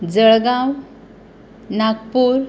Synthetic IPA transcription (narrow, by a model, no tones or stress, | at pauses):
d͡zəɭɡãw | naɡpuːɾ